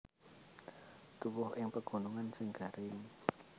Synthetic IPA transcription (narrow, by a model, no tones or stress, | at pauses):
t̪uwʊhɪŋpəɡ̥o̤nuŋansɪŋɡ̥a̤ɾɪŋ